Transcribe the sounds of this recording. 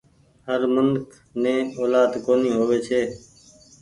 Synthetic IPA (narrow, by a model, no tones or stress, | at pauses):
ɦəɾmənkʰ | nẽːoːlaːd̪koːniːɦoːʋeːt͡ʃʰeː